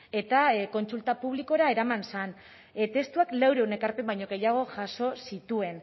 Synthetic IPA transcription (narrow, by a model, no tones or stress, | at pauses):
e̞t̪ako̞nsult̪apuβ̞liko̞ɾae̞ɾamansan | t̪e̞st̪uaklawɾe̞wne̞kaɾpe̞mbajɲo̞ɣe̞jaɣ̞o̞ʝaso̞sit̪ue̞n